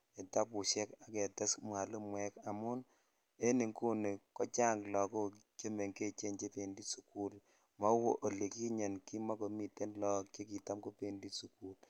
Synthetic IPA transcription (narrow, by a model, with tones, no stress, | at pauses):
e˨ta˦pu˨ʃɛ˦ka˨kɛ˨ta˦smwa˨lɨ˦mwɛ˦ka˨mʊ˦n | e˦ni˨ŋku˦ne˨kɔ˦t͡ʃa˦ŋɡlɔ˨ko˦ke˦me˨ŋke˦t͡ʃe˦nt͡ʃe˦pe˨ndi˦su˦ku˦l | mɔ˦wo˦ʔo˨le˨ki˦ɲɛ˨nki˦ma˦ko˨mi˨te˦nlɔ˨ke˦k̬i˨ta˦mko˦pe˨ndi˦su˨ku˦l